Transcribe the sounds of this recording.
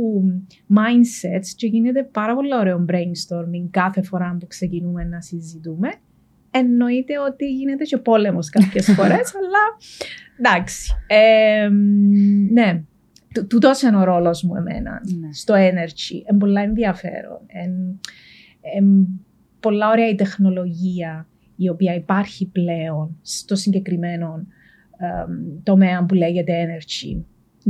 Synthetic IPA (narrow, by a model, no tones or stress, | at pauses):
u | mɐjnset̪sce̞ʝinet̪̬e̞pɐɾɐpo̞lːɐoɾeombɾeiŋst̪oɾmiŋɡkɐθe̞fo̞ɾɐmpukse̞cinume̞nɐsizit̪ume̞ | enːoit̪eot̪iʝinet̪e̞ce̞po̞le̞moskɐpçesfo̞ɾe̞sɐlːɐ | d̪ɐksi̥em | ne | t̪ut̪ut̪osenoɾo̞lo̞zmuḛmḛnɐ̰nst̪o̞eneɾt͡ʃḭʔembo̞lːɐenðiɐfe̞̰ɾo̰nen | em | po̞lːɐoɾeɐit̪e̞xno̞lo̞ʝiɐ | io̞piɐipɐɾçiple̞onst̪o̞siɲɟe̞kɾime̞no̞n | t̪o̞me̞ɐmpuleʝe̞t̪eeneɾt͡ʃḭ